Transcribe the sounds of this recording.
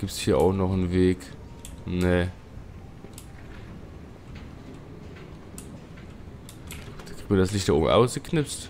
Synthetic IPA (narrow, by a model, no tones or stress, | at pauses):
ɡ̥iːp̚tshiːɐʔaʊxnɔχnveːk | ne | d̥aɡ̥ik̚tmiɐdaslɪçtd̥aʔo̰ːbm̩ʔa̰ʊsɡ̥əkʰnɪfst